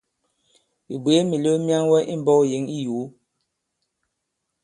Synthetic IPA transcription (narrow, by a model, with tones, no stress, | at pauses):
i˨bwe˨˦mi˨lə˦mja˦ŋwɛ˦ʔi˦m˨bɔ˦˨je˨˦ŋi˦ju˨˦